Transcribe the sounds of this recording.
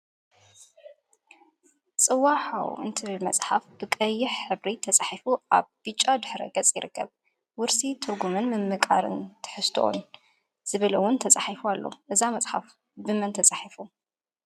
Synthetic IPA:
t͡sʼɨwaħa̰w̰ɨ̰nt̪ʰɨβɨlmɐt͡sʼħafb̥ɨkʼɐjːɪħħɨβɾit̪ʰɐt͡sʼaħifuʔa̰βb̥ɨt͡ʃʼːad̪ɨħɾɐ̰ɡɐt͡sʼjɪɾɨkʰːɐ̰β | wʊɾsit̪ʰɨɾɡumɨnmɨmːɨkʼa̰ɾɨ̰nt̪ʰɨ̥ħɨst̪ʰoʔo̰n | z̥ɨβɐlɐwːʊnt̪ʰɐt͡sʼaħifualːo̰ʔɨzamɐt͡sʼħa̰f | bɨmɐnt̪ʰɐt͡sʼaħifu

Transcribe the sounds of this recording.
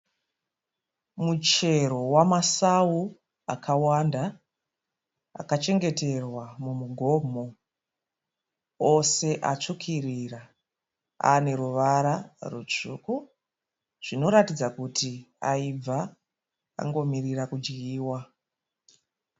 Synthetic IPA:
mut͡ʃe̞ɾo̞wamasawu | akʰawanda | a̰kat͡ʃe̞ŋɡe̞te̞rwamumuɡʱo̞mo̞ | o̞se̞ʔa̰t͡ʂukʰirira | a̰ne̞ɾuʋaɾarut͡ʂuːku | ʐ̥ino̞ɾatid͡zakutʰiaib͡va | a̰ŋɡo̞mirirakud͡ʒɡiːwa

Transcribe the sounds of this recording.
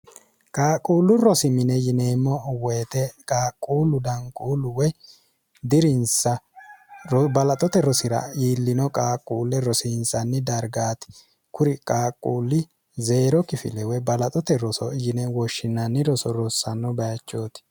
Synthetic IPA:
kʼaːkʼːuːlːʊɾɔsɪmɪnɛjɪneːmːɔweːt̪ɛkʼaːkʼːuːlʊd̪ɐŋkʼuːlʊwɛ | d̪ɪɾɪnsɐ | ɾɔbɐlɐt̪ʼɔt̪ɛɾɔsɪɾɐ̰iːlːɪnɔkʼaːkʼːuːlːɛɾɔsinsɐnːɪd̪ɐɾɡaːt̪ɪ̥ | kʊɾɪkʼaːkʼːuːlːɪ | ze̞ːɾɔkɪfɪ̰lɛwɛbɐlɐt̪ʼɔt̪ɛɾɔsɔjɪnɛwɔʃːɪnːɐnːɪɾɔsɔɾɔsːɐnːɔbɐjɐt͡ʃːo̞ːt̪ɪ̥

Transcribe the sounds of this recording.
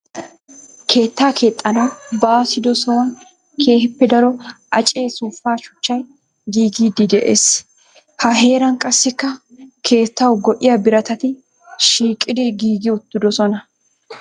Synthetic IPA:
kʰe̞ːt̪ːaːkʰe̞ːt̪ʼːɐnɐwbaːsɪd̪ɔsɔwɐn | kʰe̞ːhɪpːɛd̪ɐɾɔʔɐt͡ʃʼe̞ːsuːfːaːʃʊ̥t͡ʃːɐj | ɡiːɡiːd̪ɪd̪ɛʔeːs | hɐɦe̞ːɾɐnkʼɐsːɪkːɐ | kʰe̞ːt̪ːɐwɡɔʔɪjɐbɪɾɐt̪ɐt̪ɪ | ʃiːkʼːɪd̪ɛɡiːɡɪʊt̪ːɪd̪ɔsɔnɐ

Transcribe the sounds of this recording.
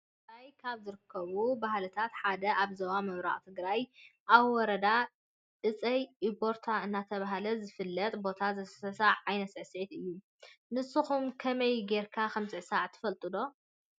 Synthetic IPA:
ajkʰaβzɨɾɨkʰːɐβubahlɨt̪ʰat̪ħad̪ɐʔaβzɐwamɐβɾa̰ʔʼt̪ʰɨɡɾajʔaβwɔɾɐd̪a | ɨt͡sʼɐjʔibo̞ɾt̪ʰaɨnːat̪ʰɐβaɦalɐzɨfɨlːɐt̪ʼbo̞t̪ʰazɐsɐsaʕʕajnɐt̪sɨʕsʕit̪ɨjːu | nɨsːuxumkʰɐmɐjɡe̞ɾkʰakɐmsɨʕsaʕt̪ʰɨ̥fɐlt̪ʼɨlo̞

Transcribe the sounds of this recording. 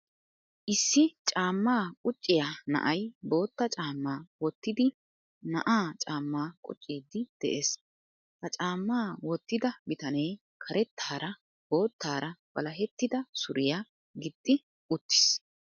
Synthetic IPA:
ʔɪsːɪt͡ʃʼaːmːaːkʼʊt͡ʃʼːɪjanɐ̰ʔɐjbo̞ːt̪ːɐt͡ʃʼaːmːaːwɔt̪ːɪd̪ɪ | nɐ̰ʔaːt͡ʃʼaːmːaːkʼʊ̰t͡ʃʼːiːd̪ːɪd̪̥ɛ̰ʔe̞ːs | hɐt͡ʃʼaːmːaːwɔt̪ːɪd̪ɐbɪt̪ɐneː | kʰɐɾɛt̪ʰːaːɾɐ | b̥o̞ːt̪ːaːɾɐb̥ɐlɐɦɛt̪ːɪd̪ɐsʊɾʔɪja | ɡɪd̪ʼːɪ | ʔʊt̪ːɪ̥s

